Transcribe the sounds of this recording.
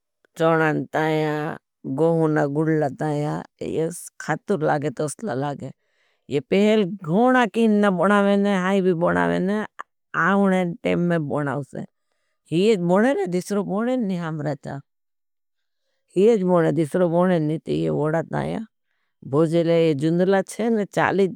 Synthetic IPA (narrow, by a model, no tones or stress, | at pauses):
t͡ʃoːɽant̪aːjã | ɡoːɦunaɡʊɽlat̪aːja̰jḛskʰat̪uɾlaːɡet̪oslalaːɡe | jepeɦelɡʱoːnakinːabonaʋeneɦaːibʱiboːɽa̰ʋḛ̃ne | aːnenʈeːmːẽbona̰usḛ̃ | hijed͡ʒboːnened̪isɾoboːnenːiɦamɾat͡ʃa̰ | hijed͡ʒboːnẽd̪isɾoboːnenĩt̪ejḛʋoɽat̪ã̰ːja̰ | bʱoːd͡ʒelejed͡ʒund̪lat͡ʃʰenet͡ʃa̰ːli